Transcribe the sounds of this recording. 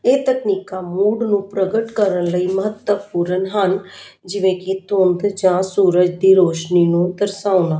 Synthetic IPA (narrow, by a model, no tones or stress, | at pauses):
eːt̪əkniːkãːmuːɖnũːpɾəɡəʈkəɾənləiːməɦət̪ːəpuɾənɦənd͡ʒɪʋẽːkɪt̪õːnd̪d͡ʒãːsuːɾəd͡ʒd̪iːɾoːʃniːnũːd̪əɾsaːʊnaː